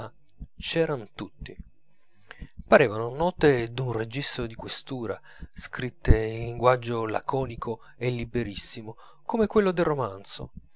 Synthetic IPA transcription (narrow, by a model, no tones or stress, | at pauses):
a | t͡ʃɛːɾant̪ut̪ːi | paɾeːvanonɔːt̪ed̪unred͡ʒist̪od̪ikwest̪uːɾa | skɾit̪ːeilːiŋɡwad͡ʒːola̰kɔːnikʰo | elːibeɾisːimo | komekwelːod̪erːomant̪so̰